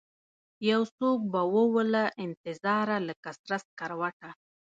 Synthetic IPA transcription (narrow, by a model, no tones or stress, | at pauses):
jawsok̚bawəwəlaʔɪnt̪ɪzɑɾaləkasɾas̚kaɾwaʈa